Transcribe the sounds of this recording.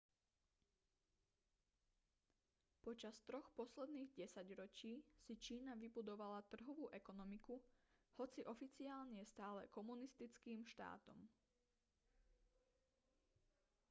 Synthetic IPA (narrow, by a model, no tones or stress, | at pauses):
pɔt͡ʃast̪ɾɔxpɔslɛd̪niːɣɟɛsaɟɾɔt͡ʃiːsit͡ʃiːnaʋibud̪ɔʋalat̪r̩ɦɔʋuːʔɛkɔnɔmikuhɔt͡siʔɔfit͡siaːlɲɛst̪aːlɛkɔmunist̪it͡skiːmʃt̪a̰ːt̪ɔ̰m